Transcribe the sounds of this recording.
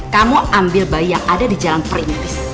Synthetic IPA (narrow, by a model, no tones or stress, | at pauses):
kamuʔambɪlbaijaŋʔadadid͡ʒalanpɾɪnt̪ɪs